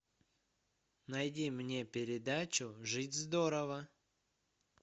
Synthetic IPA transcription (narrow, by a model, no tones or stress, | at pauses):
nɐjdʲimnʲe̞pʲɪɾʲɪd̪at͡ɕʊʐɨtʲzd̪oɾəvə